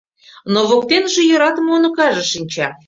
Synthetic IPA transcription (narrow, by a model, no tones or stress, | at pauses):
noβok̚t̪enʒĕjoɾɑt̪ə̆monŏkɑʒɤ̆ʃinʲt͡ɕɑ